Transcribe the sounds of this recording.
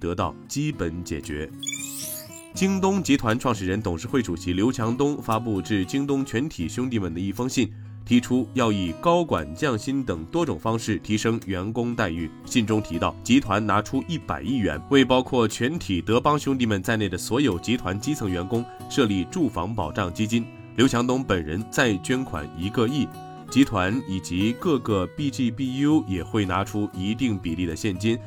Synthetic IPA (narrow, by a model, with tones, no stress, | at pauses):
t̪ɤ˧˥t̪ɑ˥˩ʊt͡ɕi˥pə˧˥nt͡ɕjɛ̰˨˩t͡ɕɥɛ̰˧˥ | t͡ɕi˥ŋt̪̬ʊ˥ŋt͡ɕi˧˥t̪ʰwa˧˥nʈ͡ʂʰwɑ˥˧ŋʂɻ̩˥˩ɻə˧˥nt̪ʊ˨˩ŋʂɻ̩˥˧xwe˥˩ɪʈ͡ʂu˨˩ɕi˧˥ljo˧˥ʊt͡ɕʰjɑ˧˥ŋt̪ʊ˥ŋfa˥p̬u˥˧ʈ͡ʂɻ̩˥˩t͡ɕi˥ŋt̪ʊ˥ŋt͡ɕʰɥɛ˧˥nt̪ʰi˨˩ɕʊ˥ŋt̪i˥˩mə˨˩nd̪ə˩i˥˩fɤ˥ŋɕi˥˩n | t̪ʰi˧˥ʈ͡ʂʰu˥jɑ˥˩ʊi˨˩kɑ˥ʊkwa̰˨˩nt͡ɕjɑ˥˩ŋɕi˥nt̪ɤ˨˩ŋt̪wɔ˥ʈ͡ʂʊ˨˩ŋfɑ˥ŋʂɻ̩˥˩t̪ʰi˧˥ʂɤ˥ŋɥɛ˧˥nkʊ˥ŋt̪a˥˧ɪy˥˩ | ɕi˥˩nʈ͡ʂʊ˥ŋt̪ʰi˧˥t̪ɑ˥˩ʊt͡ɕi˧˥t̪ʰwa˧˥nna˧˥ʈ͡ʂʰu˥ʔi˥˩pa̰˨˩ɪi˥˩ɥɛ̰˧˥nwe˥˩ɪpɑ˥ʊkʰwɔ˥˩t͡ɕʰɥɛ˧˥nt̪ʰi˨˩t̪ɤ˧˥pɑ˥ŋɕjʊ˥ŋt̪i˥˩mə˨˩nt͡sa˥˧ɪne˥˩ɪd̪ə˩swɔ˧˥jo˨˩ʊt͡ɕi˧˥t̪ʰwa˧˥nt͡ɕi˥t͡sʰɤ˧˥ŋɥɛ˧˥nkʊ˥ŋ | ʂɤ˥˧li˥˧ʈ͡ʂu˥˩fɑ˧˥ŋpɑ˨˩ʊʈ͡ʂɑ˥˩ŋt͡ɕi˥t͡ɕi˥n | ljo˧˥ʊt͡ɕʰjɑ˧˥ŋt̪ʊ˧˥ŋpə˨˩nɻə̰˧˥nt͡sa˥˩ɪt͡ɕɥɛ˥nkʰwa̰˨˩ni˧˥kə˥˧i˥˩ | t͡ɕi˧˥t̪ʰwa˧˥ni˨˩t͡ɕi˧˥kɤ˥˧kɤ˥˧pi˥˧t͡ɕi˥˧pi˥˧ju˥jɛ˨˩xwe˥˩ɪna˧˥ʈ͡ʂʰu˥i˧˥t̪i˥˩ŋpi˨˩li˥˩d̪ə˩ɕjɛ˥˩nt͡ɕi˥n